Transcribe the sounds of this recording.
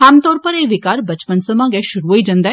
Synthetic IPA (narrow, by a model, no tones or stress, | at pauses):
ɦaːmt̪ɔːɾpəɾeːʋɪkaːɾbɐt͡ʃpənsəmãːɡɛʃʊɾuɦoid͡ʒãnd̪aɛː